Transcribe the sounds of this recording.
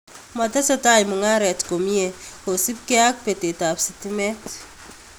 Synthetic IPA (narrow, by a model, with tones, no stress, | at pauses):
ma˨tɛ˦sɔ˦ta˦jmu˨ŋa˦ɾɛ˨tko˨mi˦e˨ko˨si˦p̚ke˦a˦k̚pe˨te˨ta˨psiti˦mɛ˦t